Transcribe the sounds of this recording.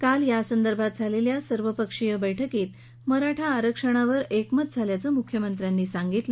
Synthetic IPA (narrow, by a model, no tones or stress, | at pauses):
kaljasənd̪əɾbʱat̪̚d͡zʱaleljasəɾʋəpəkʂijəbəjʈʰəkiːt̪ | məɾaʈʰaːɾəkʂəɽ̃aʋəɾekmət̪̚d͡zʱaljat͡səːmukʰːjəmənt̪ɾjanːiːsaŋɡit̪l